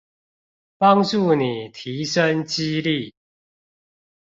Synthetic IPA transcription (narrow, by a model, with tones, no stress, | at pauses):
pɑ˦ŋʈ͡ʂu˥˨ni˨˩t̪ʰi˨˦ʂə˦nt͡ɕi˦li˥˨